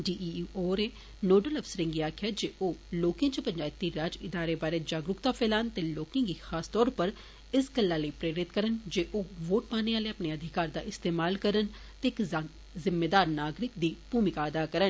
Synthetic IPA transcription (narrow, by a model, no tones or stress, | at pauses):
ɖiːioːɾeː | noːɖələfsəɾɪ̃ŋɡiaːkʰjaːd͡ʒeːʔoːloːkẽt͡ʃəpəɲd͡ʒaːɪt̪ːiːɾaːd͡ʒɪd̪aːɾeːbaːɾeːd͡ʒaːɡɾʊkt̪aːpʰɛːlaːnt̪eːloːkɪ̃ːɡiːxaːst̪ɔːɾpəɾ | ɪsɡəlːaːləipɾeːɾɪt̪kəɾənd͡ʒeːʔoːʋoːʈ̚paːneːaːleːapneːəd̪ʱɪkaːɾd̪aːʔɪst̪eːmaːlkəɾən | t̪eːɪkz | zɪmːeːd̪aːɾnaːɡɾɪk̚d̪iːbuːmɪkaːəd̪aːkəɾən